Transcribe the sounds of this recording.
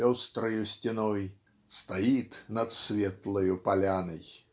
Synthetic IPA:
ost̪ɾəjʊsʲtʲɪnoj | st̪ɐit̪nɐt̪svʲet̪lˠəjʊpɐlʲanəj

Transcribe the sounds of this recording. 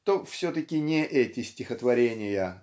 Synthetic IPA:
t̪ofsʲot̪əkʲɪnʲɪʔɛtʲɪsʲtʲɪxət̪vɐɾʲenʲɪjə

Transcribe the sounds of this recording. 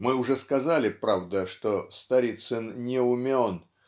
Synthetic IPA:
mɨʊʐɛskɐzalʲɪpɾavd̪əʂt̪ost̪ɐɾʲit̪sɨnnʲɪʊmʲon

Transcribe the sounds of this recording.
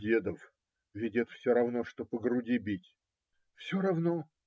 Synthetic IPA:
dʲed̪əf | vʲɪdʲet̪fsʲoɾɐvnoʂt̪opəɡɾʊdʲibʲitʲ | fsʲoɾɐvno

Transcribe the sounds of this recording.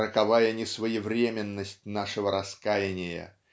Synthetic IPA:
ɾəkɐvajənʲɪsvəjɪvɾʲemʲɪnːəsʲt̚ʲnaʂɨvəɾɐskajɪnʲɪjə̰

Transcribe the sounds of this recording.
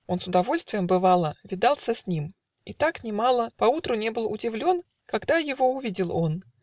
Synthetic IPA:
o̞nsʊd̪ɐvo̞lʲst̪vʲɪjəmbɨvɑlˠəvʲɪd̪alˠsʲəsʲnʲim | it̪aknʲɪmalˠəpɐut̪ɾʊnʲe̞bɨlˠʊ̰dʲɪvlʲo̞n | kɐɡd̪ajɪvo̞ʊvʲidʲɪlˠo̞n

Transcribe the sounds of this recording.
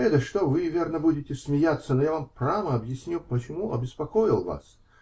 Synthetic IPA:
ɛt̪əʂt̪ovɨvʲe̞rnəbudʲɪtʲɪsʲmʲɪjat̪sːənojavampɾaməɐbjɪsʲnʲupət͡ɕɪmuɐbʲɪspɐko̞jɪlˠva̰s

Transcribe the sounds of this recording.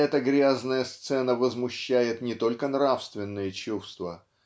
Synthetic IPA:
ɛt̪əɡɾʲaznəjəst̪sɛnəvəzmʊɕːæjɪt̪nʲɪt̪o̞lʲkənɾafst̪vʲɪnːɨjət͡ɕust̪və

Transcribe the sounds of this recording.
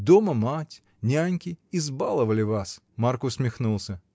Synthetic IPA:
d̪oməmatʲ | nʲanʲkʲɪɪzbalˠəvəlʲɪvas | markʊsʲmʲɪxnulˠsʲə

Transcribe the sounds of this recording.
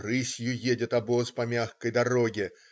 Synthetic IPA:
rɨsʲjʊjedʲɪt̪ɐbospɐmʲaxkəjd̪ɐɾo̞ɡʲɪ

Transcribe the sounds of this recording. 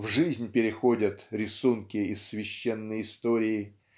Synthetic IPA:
vʐɨzʲnʲpʲɪɾʲɪxo̞dʲət̪ɾʲɪsunkʲɪɪsːvʲɪɕːenːəjɪst̪oɾʲɪɪ

